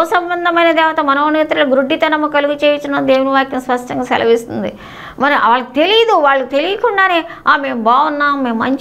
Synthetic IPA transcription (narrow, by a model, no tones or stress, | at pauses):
ɐsɐmbɐnd̪ʱɐmɐjnɐd̪ɛːʋɐt̪ɐmɐnoːneːt̪ɾɐluɡɾuɖːit̪ɐnɐmːɐkɐluɡut͡ʃeːjɐt͡ʃːunːɐnd̪eːwuniʋaːkjɐmspɐʂʈɐŋɡaːsɛ̰lɐ̰ʋist̪und̪ḭ | mɐɾiʔɐʋaːɭːɐt̪e̞lijɐd̪uʋaːɭːut̪e̞lijɐkuɳɖaːneːaːme̞ːmbaːwunːaːmːe̞ːmːɐ̰ɲt͡ʃ